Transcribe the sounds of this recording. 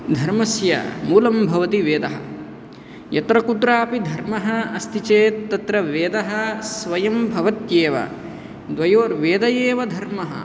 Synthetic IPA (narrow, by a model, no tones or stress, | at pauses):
d̪ʱɐɾmɐsjɐ̰muːlɐmbʱɐʋɐt̪iʋeːd̪ɐɦɐ̰̆ | jɐt̪ɾɐkud̪ɾaːpid̪ʱɐɾmɐɦɐɐst̪ʰit͡ʃeːt̪ːɐt̪ɾɐʋeːd̪ɐɦɐ̆sʋɐjɐmbʱɐʋɐt̪jeːʋɐ̰ | d̪ʋɐjoːɾʋeːd̪ɐjeːʋɐd̪ʱɐɾmɐɦɐ̰